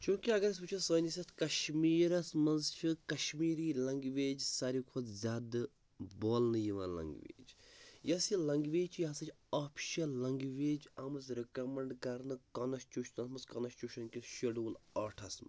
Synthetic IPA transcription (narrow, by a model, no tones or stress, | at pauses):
t͡ʃʰũːkiɐɡɐɾɐs̬but͡ʃʰɐsɐːnisʲɐt̪kɐʃmiːɾɐsmɐnzt͡ʃʰikɐʃmiːɾiːlɐŋɡʋeːd͡ʒsɐɾikʰot̪zʲaːd̪ɨ | boːlnɨjiʋa̰ːlɐ̰ŋɡʋḛːd͡ʒjɐsilɐŋɡʋeːt͡ʃʰjɐɦɐsɐt͡ʃʲ | aːpʰʃɐlɐŋɡʋeːd͡ʒɐmɨzɾikɐmɐɳɖkɐɾnɨkɐnɐst͡ʃuʃʰnɐsmɐzkɐnɐst͡ʃuʃɐnkʲiʃiɖuːnaːʈʰɐsmɐ̰